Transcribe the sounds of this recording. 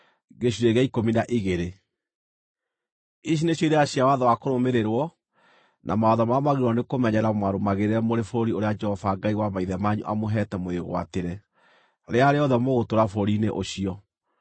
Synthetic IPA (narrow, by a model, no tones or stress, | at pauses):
ɡeɕ̬uɾeɣɛikominaʔiɣeɾe | iɕ̬ineɕoiɾeaɕjawaðɔwakoɾomeɾeɾwɔ | nʔa̰maɔðɔmamaɣiɾwɔnekomɛɲɛɾamwaɾomaɣeɾeɛmoɾefoɾoɾioɾead͡ʒɛhɔfaɡaiwamaiðɛmaɲṵʔa̰moɦɛtɛmoeɣo̰a̰teɾɛ | ɾeaɾeɔðɛmoɣotoɾafoɾoɾineʔoɕiɔ